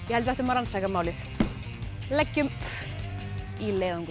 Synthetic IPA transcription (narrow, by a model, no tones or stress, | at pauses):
jɛhɛlt̪vɛht̪ʏmaɾansakamaːwlɪθ | lɛcːʏmp | ileːðɔnk